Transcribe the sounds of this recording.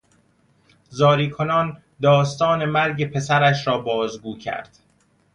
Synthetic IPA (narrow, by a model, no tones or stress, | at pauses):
zɒːɾiːkʰo̞nɒːn | d̪ɒːst̪ɒːne̞mæɾɟe̞pʰe̞sæɾæʃɾɒːbɒːzɡuːcʰæ̰ɾd̪̥